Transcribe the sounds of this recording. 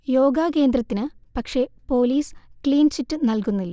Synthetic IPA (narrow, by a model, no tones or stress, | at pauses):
jo̞ːɡaːke̞ːnd̪rɐt̪ːinɨpɐkʂe̞po̞ːliːskliːnt͡ɕitːɨnɐlkunːilːɐ